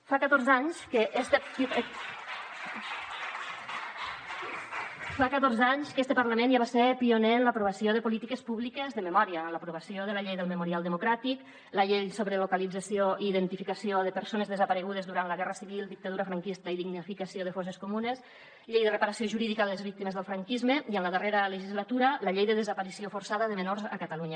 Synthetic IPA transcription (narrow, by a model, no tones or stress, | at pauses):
fakət̪oɾzaɲskəʔest̪ə | fakət̪orzaɲskɛst̪əpəɾləmẽnaβasepionenləpɾuβəsioðəpulit̪ikəspuβlikəzðəməmɔɾiələpɾuβ̞əsioðələʎejðəlˠməmuɾialˠd̪əmukɾat̪ik | ləʎejsoβɾəlukalid͡zəsioiːðənt̪ifikasioðəpəɾsonəzðəzəpəɾəɣ̞uð̞əzðuɾanləɣɛrəsiβilˠd̪ik̚t̪aðuɾəfɾaŋkist̪əiðiɡnifikəsioðəfɔs̬əskumunəs | ʎejðərəpəɾəsioʒuɾiðikaləzβik̚t̪iməzðəlˠfɾaŋkizməiənləðəreɾələʒizlət̪uɾələʎejðəðəzəpəɾisiofuɾsaðəðəmənorzə̰kət̪aluɲə